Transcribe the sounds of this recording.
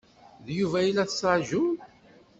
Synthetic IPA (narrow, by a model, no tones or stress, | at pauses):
ðjuvæjilːæθə̥səʕʒu